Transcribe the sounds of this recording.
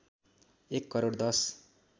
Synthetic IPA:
ekːʌɾoɽd̪ʌs

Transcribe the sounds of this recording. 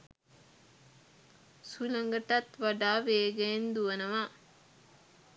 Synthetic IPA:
sulɐŋɡəʈɐt̪ʋaɖaːʋeːɡend̪uənəʋa

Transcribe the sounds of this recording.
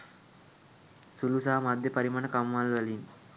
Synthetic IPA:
sulusɐɦɐmɐd̪ʱjɐpɐɾimaːnɐkɐmːaːlʋɐlin

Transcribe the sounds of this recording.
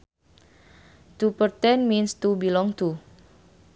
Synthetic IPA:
t̪upərt̪ɛnminst̪ubilɔŋt̪u

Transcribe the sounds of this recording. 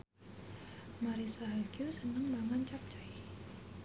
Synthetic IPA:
maɾisaɦaɡusənəŋbaŋant͡ʃap̚t͡ʃaj

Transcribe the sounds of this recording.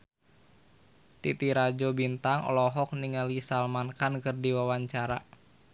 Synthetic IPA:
t̪it̪iɾad͡ʒobint̪aŋɔ̰lɔɦɔk̚niŋalisalmankankərdiwawaɲt͡ʃaɾa̰

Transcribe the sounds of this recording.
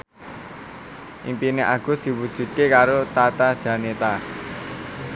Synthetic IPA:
ʔḭmpineʔaɡ̥ṳsd̪̥i̤wud̥ʒ̥ṳt̪̚kekaɾot̪at̪ad̥ʒ̥ä̤net̪a

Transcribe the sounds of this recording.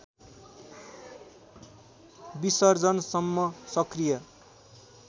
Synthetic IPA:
bisʌrd͡zʌnsʌmːʌsʌkrijʌ

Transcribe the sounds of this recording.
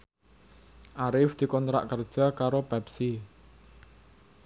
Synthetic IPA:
ʔaɾɪfd̪̥i̤kɔnt̪ɾa̰ʔkərd̥ʒ̥akaɾobɛpsi

